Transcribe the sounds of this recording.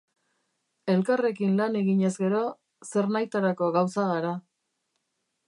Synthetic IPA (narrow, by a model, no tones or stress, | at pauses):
e̞lkare̞kinlane̞ɣiɲe̞zɡe̞ɾo̞ | se̞ɾnajt̪aɾako̞ɣawsaɣaɾa